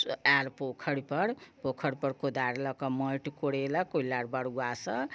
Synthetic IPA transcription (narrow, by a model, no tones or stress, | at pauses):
alpokʰʌɽipʌɽpokʰʌɽpʌɾkod̪aɾlʌkɔmʌjʈkoɽelakolaɽbaɽɡwasʌ